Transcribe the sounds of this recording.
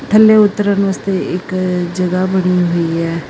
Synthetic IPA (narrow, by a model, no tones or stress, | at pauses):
t̪ʰəlːeːʊt̪ːəɾanəst̪eɪkd͡ʒəɡaːbəɽ̃iɦoiɛː